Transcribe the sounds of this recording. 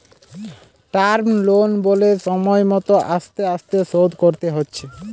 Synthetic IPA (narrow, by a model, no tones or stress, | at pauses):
ʈaɾmlonboleʃɔmɔemɔt̪oʔaʃt̪eaʃt̪esod̪koɾt̪eɦotːɕʰe